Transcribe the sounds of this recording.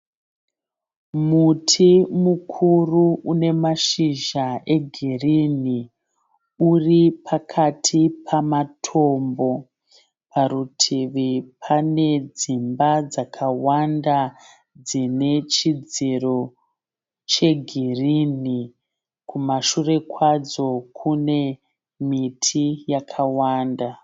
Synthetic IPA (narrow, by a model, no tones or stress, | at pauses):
mutʰimukʰuruʔune̞maʃiʒaʔe̞ɡʱirini | uripʰakʰatʰipʰamatʰo̞mbo̞ | pʰaɾutʰiʋipʰane̞d͡zimbad͡zakʰawanda | d͡zine̞t͡ʃid͡ziro̞ | t͡ʃe̞ɡʱirini | kʰumaʃure̞kwad͡zo̞kʰune̞ | mitʰijakʰawaːnda